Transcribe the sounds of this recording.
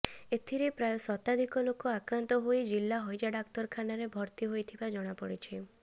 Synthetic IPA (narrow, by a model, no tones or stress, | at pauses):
et̪ʰiɾepɾajosɔt̪ad̪ʱikɔlokoakɾant̪ɔɦojd͡ʒilːaɦɔjd͡ʒaɖakt̪ɔɾkʰanaɾebʱɔɾt̪iɦojt̪ʰibad͡ʒɔɽ̃apɔɽit͡ʃʰi